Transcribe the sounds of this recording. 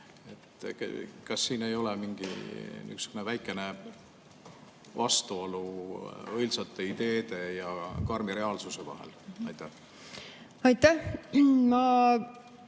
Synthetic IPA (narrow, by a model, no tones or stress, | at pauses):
e̞t̪ːˑ | kɑsːiːne̞jo̞lɛmiŋɡ̥ḭy̰ksy̥kunevæjkːˑe̞ne̞ | vɑst̪uo̞luɤjlsɑt̪ˑːe̞id̪̥e̞ːd̪̥e̞jɑkɑrmiɾe̞ɑːlsuse̞vɑ̰ɦḛlɑjt̪ːˑæh | ɑjt̪ːæhmɑ